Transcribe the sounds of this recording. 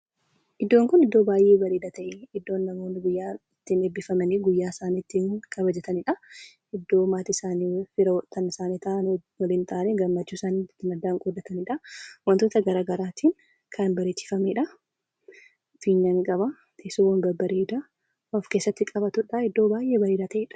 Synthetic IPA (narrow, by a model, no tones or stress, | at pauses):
ʔɪd̪ːoːŋkʊnɪd̪ːo̞ːbaːjʔeːbɐɾeːd̪ɐt̪ɐʔeɪd̪ːo̞ːnːɐmo̞ːnːɪɡʊjːaːɪt̪ːineːbɪfɐmɐniɡʊjːaːsaːniɪt̪ːiŋkʼɐbɐd͡ʒɛt̪ɐnɪᶑɐ | ɪd̪ːo̞ːmaːt̪ɪsaːnifɪɾɐt̪ːɐnɪsaːniːt̪aːʔɐnwɐlɪnt̪ʰaːʔneɡɐmːɐt͡ʃːuːsaːniːɪt̪ːɪnɐd̪ːaːŋkʼɔd̪ːɐt̪ɐnɪᶑɐwɐnt̪oːt̪ɐɡɐɾaːɡɐɾaːt̪ʰiːn | kʰɐnbɐɾet͡ʃːɪ̥fɐmeᶑɐ | fiːɲːɐŋkʼɐbɐ | t̪ʰeːsʊwɐnbɐbɐɾeːd̪ɐ | ɔfke̞ːsːɐt̪ːɪkʼɐbɐt̪ʊᶑɐɪd̪ːo̞ːbaːjʔeːbɐɾeːd̪at̪ɐʔeːᶑɐ̥